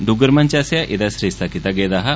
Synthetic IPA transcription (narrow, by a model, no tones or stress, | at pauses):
d̪uɡəɾmant͡ɕasjaʔid̪asɾist̪akit̪aɡed̪aɦa